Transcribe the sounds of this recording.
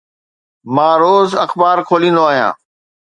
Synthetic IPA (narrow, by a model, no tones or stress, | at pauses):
mãːɾoːzɐxbaːɾkʰoːlĩːnd̪oaːɦijã̰ː